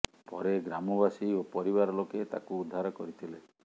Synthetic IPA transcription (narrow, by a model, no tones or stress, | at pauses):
pɔɾeɡɾamɔbasiopɔɾibaɾɔloket̪a̰kuːd̪ʱːaɾɔkɔɾit̪ʰile